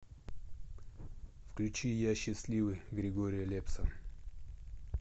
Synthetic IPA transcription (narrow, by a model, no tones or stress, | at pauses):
fklʲʉt͡ɕijaɕːɪsʲlʲivɨjɡɾʲɪɡoɾʲɪjəlʲepsə